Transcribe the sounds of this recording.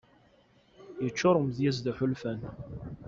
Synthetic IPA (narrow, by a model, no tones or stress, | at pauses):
jət͡ʃːʊɾˤəmðjæzðəħʊlfæn